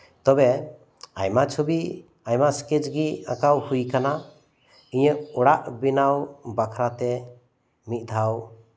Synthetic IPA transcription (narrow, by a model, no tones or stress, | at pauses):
t̪ɔbɛ | ajmat͡ʃʰobi | ajmasket͡ʃɡiakawhujkana | iɲəʔɔɽaʔbinawbakʰɾat̪ɛ | mit̪̚ˀd̪ʱaw